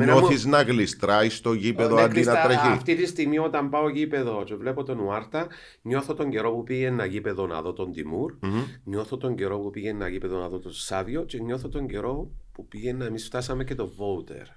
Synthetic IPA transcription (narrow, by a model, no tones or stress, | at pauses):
mɲnoθiznɐɣlist̪ɾɐist̪o̞ʝipeðoɐɐd̪inɐt̪ɾɐift̪it̪ist̪iɣmio̞t̪ɐmbɐoʝipe̞ðo̞t͡ʃevle̞pot̪o̞nuɐɾt̪ɐ | ɲo̞θot̪o̞ɲɟe̞ɾo̞pupiʝenːɐʝipe̞ðo̞nɐ̰ðot̪o̞nd̪imuɾɲo̞θot̪o̞ɲɟeɾo̞pupiʝenːɐʝipeðonɐðot̪osɐðio̞ce̞ɲo̞θot̪o̞ɲɟe̞ɾo̞pupiʝenːɐemisft̪ɐsɐmece̞t̪o̞vout̪e̞̰ɾ